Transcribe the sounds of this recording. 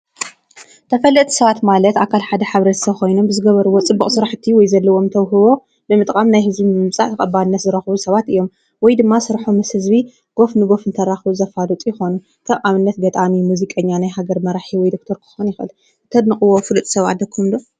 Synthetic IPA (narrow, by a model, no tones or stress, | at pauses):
t̪ʰɐfɐlːɨt̪ʰi̥sɐβat̪malɐt̪akʰalħad̪ɐħaβɾɐt̪ʰsɐβkʰo̞jno̞mbɨzɨɡɐβɐɾuwot͡sʼɨbːuχʼsɨɾaħɨt̪ʰːiwɔjzɐlːɐwo̞mt̪ʰɐwɦɨβo̞ | bɨmɨt̪ʼkʼamnajhɨzbimɨmt͡sʼa̰ʕʰɐkʼɐbːaɨnːɐt̪zɨɾɐxβusɐβat̪ɨjːo̞m | wɔjd̪ɨmːasɨɾħomːɐshɨzbi | ɡ̥o̞fnɨɡo̞fɨnt̪ʰɐɾaxβuzɐfalut̪ʼijɪxo̞nu | k̪ʰɐβʔaβɨnːɐt̪ɡɐt̪ʼamimuzikʼɐɲːanajɦaɡɐɾmɐɾaħiwɔjd̪o̞k̚t̪ʰɐɾkʰɨ̥xonjɪxɨl | t̪ʰɐd̪nɨkʼɨwofɨlɨt̪ʼsɐβa̰d̪ɐkʰumd̪o